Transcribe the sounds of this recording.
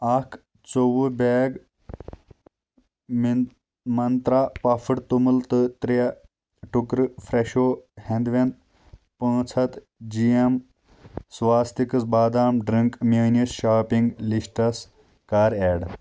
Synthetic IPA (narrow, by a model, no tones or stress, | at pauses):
ɐkʰ | t͡sowubeːɡ | mɐnt̪ɾaːpɐfʰɨɽt̪umɨlt̪ɨt̪ɾijɐ | ʈukɾɨfɾeʃoːhẽnd̪ʋẽnd̪̚ | pə̃ːt͡sʰɐt̪ | d͡ʒiɐm | sʋaːst̪ikɨsbaːd̪aːmɖɾiŋkmeːnisʃaːpĩŋɡlisʈɐs | kaːɾeːɖ